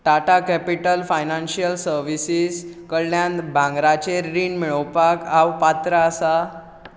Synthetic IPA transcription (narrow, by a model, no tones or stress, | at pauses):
ʈaʈakɛpiʈəlfajnanɕijəlsəɾʋisiːskəɭːjãnt̪bʱãŋɡɾat͡ɕeɾiːnmiɭəwpakawpat̪ɾəːsa